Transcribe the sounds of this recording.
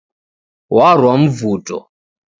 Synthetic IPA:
war̤wam̩vuːtʼɔ̰

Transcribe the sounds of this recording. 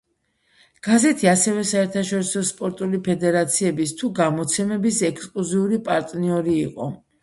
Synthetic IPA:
ɡ̥azɛt̪ʰiasɛvɛsaɛɾt̪ʰaʃɔɾisɔspʼɔɾt̪ʼulipʰɛd̪ɛɾat̪sʰiɛbist̪ʰuɡamɔt̪sʰɛmɛbisɛkskʼluziuɾipʼaɾt̪ʼniɔɾiːqʼɔ

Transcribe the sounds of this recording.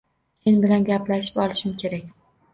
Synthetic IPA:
se̞nbɪlanɡʲaplaʃɪ̥pɒlˠɪʃɪmkʲʰe̞ɾak̚ʲ

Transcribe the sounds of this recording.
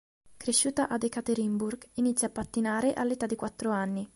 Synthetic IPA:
kɾeʃːuːt̪aʔad̪ekat̪eɾimburɡinit̪sːjapːat̪ːinaːɾeʔa̰lːet̪ad̪ːikwat̪ːɾoanːi

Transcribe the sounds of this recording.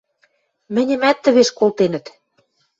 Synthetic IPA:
mɘ̆nʲɘ̆mæt̪ːɘ̆βeʃkolt̪enə̆t̪

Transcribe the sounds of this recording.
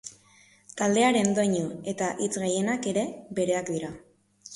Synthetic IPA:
t̪ald̪e̞aɾe̞nd̪oɲue̞t̪aʔit͡sɣeje̞nake̞ɾe̞be̞ɾe̞akd̪iɾa

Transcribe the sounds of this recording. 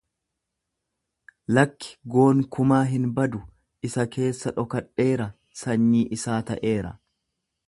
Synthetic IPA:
lɐkːɪ̥ɡo̞ːŋkʊmaːɦɪnbɐd̪ʊ | ʔɪsɐkʰe̞ːsːɐᶑɔkɐᶑːe̞ːɾɐ | sɐɲːiːʔɪsaːt̪ɐʔe̞ːɾɐ̰

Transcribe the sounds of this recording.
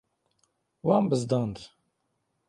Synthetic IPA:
wɑːmbɨzd̪ɑːnd̪

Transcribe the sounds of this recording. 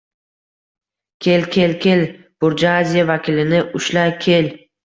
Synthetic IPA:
kʲʰe̞lkʲʰe̞lkʲʰe̞l | b̥ʊɾd͡ʒaazʲijavakʲʰɪlɪnɪʔʊʃlakʲʰe̞l

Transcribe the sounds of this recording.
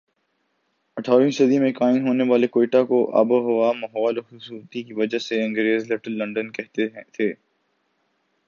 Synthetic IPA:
ɐʈʰaːɾĩsɐd̪imẽkaːɪnɦoːneʋaːlekoːiːʈakoʔa̰ːboɦoʋamɐɦɔːlxʊsuːt̪ikiʋɐd͡ʒaɦseɐ̃ŋɡɾeːzleʈəlːɐ̃ɳɖənkɛɦt̪et̪ʰeː

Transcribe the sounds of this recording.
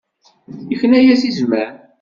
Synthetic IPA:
əçənæjæsizmæɾ

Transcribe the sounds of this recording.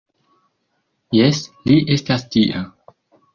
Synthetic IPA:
jesliʔe̞stastiʔa

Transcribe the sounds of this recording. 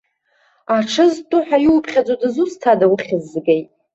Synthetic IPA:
aʈ͡ʂʰɨztʼʊħajiwpʰχʲad͡zʼodɨzustʰadawχʲɪzːɡejtʼ

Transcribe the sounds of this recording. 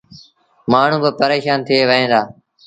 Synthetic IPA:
maːɳ̤ũːbɪpəɾeːʃaːnt̪ʰɪeːʋəɦẽːd̪aː

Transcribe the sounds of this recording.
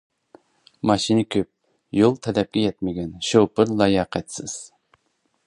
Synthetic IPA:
mɑʃinɪkʲʰøp̚ | jolˠt̪ʰɛlɛp̚kʲɛjɛt̪mɪɡʲɛnʃopɨɾlˠɑjɑqʰɛt̪sɪz̥

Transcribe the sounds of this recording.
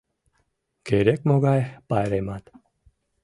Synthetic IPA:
keɾʲekmoɡajpajɾemat̪

